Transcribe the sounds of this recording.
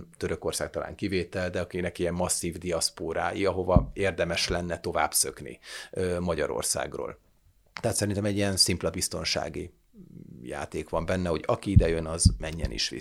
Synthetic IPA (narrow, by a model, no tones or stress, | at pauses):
t̪øɾøko̞rsaːk̚t̪ɒla̰ːŋkiveːt̪ɛld̪ɛɒkinɛkiɛmːɒsːiːvd̪iɒspoːɾaːjiɒɦo̞vɒeːrd̪ɛmɛʃlɛnːɛt̪o̞va̰ːbsøknḭømɒɟɒ̰ɾo̰rsa̰ːɡro̰ːl | t̪ɛɦat̪sɛɾint̪ɛmɛɟːijɛnsimplɛbist̪o̞nʃa̰ːɡḭ | ja̰ːt̪eːkʋɒmbɛnːɛho̞ɟɒkiid̪ɛjønɒzmɛɲːɛ̰nḭʃʋḭ